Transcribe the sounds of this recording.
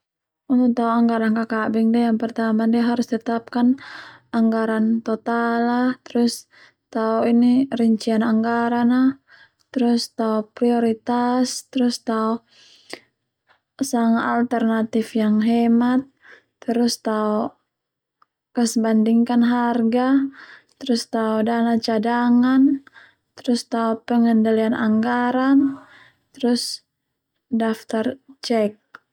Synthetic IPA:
unut̪aɔaŋɡaɾankakabɛŋdijaŋpərt̪amandiaɦaɾust̪ət̪ap̚kanaŋɡaɾant̪ɔt̪alaht̪əɾʊs | t̪aɔiniriɲt͡ʃianaŋɡaɾana | t̪ɾust̪aɔpɾiɔɾit̪ast̪əɾʊst̪aɔ | saŋaalt̪ɛrnat̪ifjaŋɦɛmat̪̚ː | əɾust̪aɔ | kəsəbandiŋkanɦarɡat̪əɾust̪aɔdanat͡ʃadaŋan | t̪ɾust̪aɔpəŋəndalianʔa̰ŋɡaɾan | t̪əɾus | daft̪art͡ʃɛk̚

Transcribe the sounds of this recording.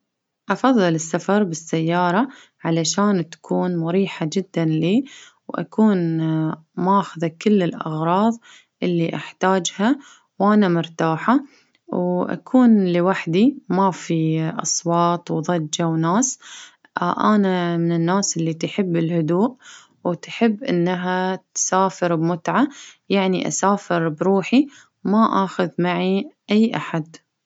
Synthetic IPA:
ʔɑfɑðˤːɨlɪsːafɑɾˤbɪsːajːɑːɾˤɑ | ʕalaʃaːnt̪ḁkʰuːnmʊɾiːħad͡ʒɪd̪ːanliː | wʔa̰kʰuːn | mʔaxðakːɪlːɪlʔɑ̰ɣɾˤɑːðˤ | ʔɪlːiʔaħt̪aːd͡ʒha | wʔanamʊɾt̪aːħa | wʔa̰kʰuːnlɪwaħd̪imafiʔɑ̰sˤwɑːt̪ˤwðˤɑd͡ʒːawnaːs | ʔʔanamɪnɪnːaːsʔɪlːit̪ħɪbːɪlhʊd̪uːʔ | wt̪ħɪbːʔɪ̰nːaɦat̪saːfɪɾbmʊt̪ʕajaʕniʔa̰saːfɪɾbɾuːħi | maʔaːxʊðmaʕiʔajːʔaħad̪

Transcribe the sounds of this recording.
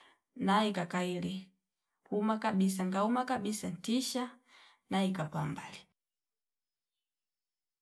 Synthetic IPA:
naikakaili | humakaɓis̬aŋɡaumakaɓisan̩tiʃa | naikapambali

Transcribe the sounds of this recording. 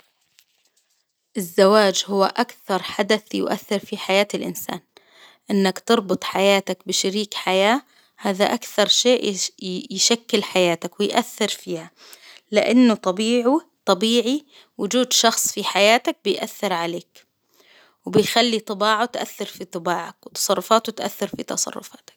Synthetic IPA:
ʔɪzːawaːd͡ʒhʊwːaʔakθɑɾˤħad̪aθjʊ̰ʔa̰θːɪɾfiħajaːt̪ɪlʔɪ̰nsa̰ːn | ʔɪnːakt̪ɨɾˤbɨt̪ˤħajaːt̪akbɪʃaɾiːkħajaː | haːðaʔakθɑɾˤʃeːʔjʃakːɪlħajaːt̪akwɪjʔaθːɪɾfiːha | lɪʔanːʊt̪ˤɑbiːʕut̪ˤɑbiːʕi | wʊd͡ʒuːd̪ʃɑxsˤfiħajaːt̪ak̚bɪjʔaθːɪɾʕaleːk | wɪbɪjxalːit̪ˤɨbaːʕat̪ʔa̰θːɪɾfit̪ˤɨbaːʕakwɪt̪ɑ̥sˤɑrˤːʊfaːt̪ʊt̪ʔa̰θːɪɾfit̪ɑsˤɑ̰rˤːʊ̰faːt̪ḁk̚

